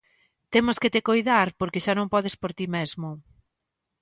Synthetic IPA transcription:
t̪emosket̪ekojðaɾpoɾkeʃanõŋpɔð̞espoɾt̪imezmʊ

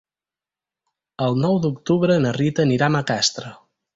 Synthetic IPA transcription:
əlˠnɔwd̪ukt̪uβɾənərit̪əniɾaməkast̪ɾə

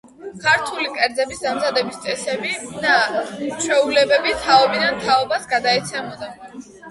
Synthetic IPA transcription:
kʰaɾt̪ʰulikʼɛɾd̪zɛbisd̪amzad̪ɛbist̪sʼɛsɛbid̪at͡ʃʰwɛulɛbɛbit̪ʰaɔbid̪ant̪ʰaɔbasɡad̪aɛt̪sʰɛmɔd̪a

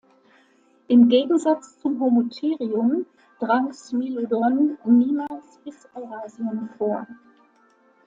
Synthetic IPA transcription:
ʔɪmɡeːɡŋ̩zat͡st͡sʊmɦomotʰeːʁiʊm | d̥ʁaŋsmilodɔnniːmaːlsb̥ɪsʔaʊʁaːziənfoːɐ

